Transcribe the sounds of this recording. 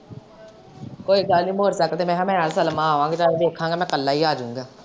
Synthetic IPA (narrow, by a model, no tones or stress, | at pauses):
koːiːɡəlnĩːmoːɾsəkt̪eːmɛ̃ːɦamɛ̃ːəɾsəlmãːɦaːʋãːɡed͡ʒaːeːd̪eːkʰãːɡaːmɛ̃ːkəlːaːiːaːd͡ʒãːŋɡaː